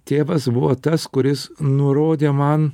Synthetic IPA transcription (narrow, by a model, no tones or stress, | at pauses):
t̪ʲeːʋɐsbʊʋoːt̪ɐskʊɾʲɪsnʊɾoːd̪ʲeːmɐn